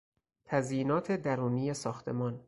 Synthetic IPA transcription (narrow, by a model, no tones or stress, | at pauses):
t̪ʰæziːnɒːt̪ʰe̞d̪æɾuːnijesɒːxt̪ʰe̞̰mɒːn